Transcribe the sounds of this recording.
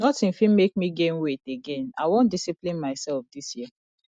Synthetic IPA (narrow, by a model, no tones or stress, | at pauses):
nɔtĩnfĩmek̚miɡẽmweteɡẽna̰ɪwõndisiplĩnmaɪsɛlfdisjiə